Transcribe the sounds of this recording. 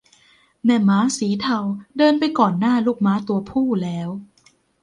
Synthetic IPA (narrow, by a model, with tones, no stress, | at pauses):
mɛ˧˩maː˦˥siː˩˦t̪ʰa˧wdɤː˧npa˧jkɔː˨˩nːaː˥˩luː˥˩k̚maː˦˥t̪u˧ɐpʰuː˥˩lɛː˦˥w